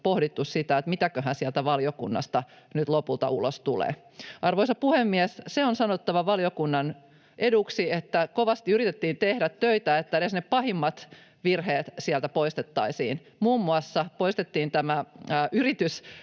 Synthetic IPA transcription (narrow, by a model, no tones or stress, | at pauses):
pohdit̪ːussit̪æet̪mit̪ækøɦænsiælt̪æʋɑljokṵnːɑ̰st̪ɑ | nyt̪lopult̪ɑ̰ṵlost̪ulḛː | ʔɑrʋoisɑpuhemːiæsseonsɑnot̪ːɑʋɑʋɑljokunːɑn | ʔeduksiet̪ːækoʋɑst̪iyɾit̪et̪ːiːnt̪ehdæt̪tøit̪æet̪ːænesneppɑhimːɑt̪ | ʋirheːt̪siælt̪æpoist̪et̪ːɑisḭːn | muːmːuɑsːɑpoist̪et̪ːiːnt̪æmæːʔyrit̪ys